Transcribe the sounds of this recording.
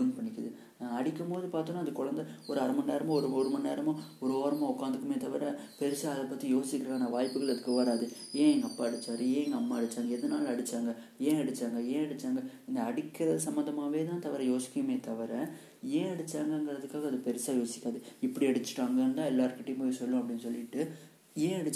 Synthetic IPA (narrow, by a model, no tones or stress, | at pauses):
unpɐɳːɪkːɯðɯ | ɐɽɪkʲːɯmpoːðɯpaːɾt̪ɯ̃nːaːɐðɯkɔɻɐnd̪ɐɔɾɯɐɾɐmɐnːeːɾɐmɐ̃ɔɾɯɔɾɯmɐnːeːɾɐmʊ̃ɔɾoːɾɐmãɔkːaːnd̪ɯkːɯmeːt̪ɐʋɐɾɛpɛɾɪsaːɐðɐpːɐt̪ːijoːsɪkʲːɪɾaːnɐʋaːjpːɯɣɐɭɐðɯkːɯʋɐɾaːðɯẽːɛŋɡɐpːaːɐɽɯt͡ʃːaːɾɯẽːŋɡɐɐmːaːɐɽɯt͡ʃːaːŋɡɐɛðɐnaːlɐɽɯt͡ʃːaːŋɡɐ | ẽːɐɽɯt͡ʃːaːŋɡɐẽːɐɽɯt͡ʃːaːŋɡɐɪnd̪ɐɐɽɪkːɪɾɐðɯsɐmbɐnd̪ɐmaːʋeːt̪ãːt̪ɐʋɐɾɛ̃joːsɪ̥kʲːɯmeːt̪ɐʋɐɾɛ̃ | ẽːɐɽɯt͡ʃːaːŋɡɐɪŋɡɪɾɐðɯkːaːɣɐðɯpɛɾɪsaːjoːsɪ̥kʲːaːðɯɪpːɐɽiɐɽɯt͡ʃːɯ̥ʈːaːŋɡɐnd̪ãːɛlːaːɾɯkɪʈːiːposɔlːʊ̃ɐp̬ːɐɽɪnːsɔlːɪʈːɯ | ẽːɐɽɯt͡ʃː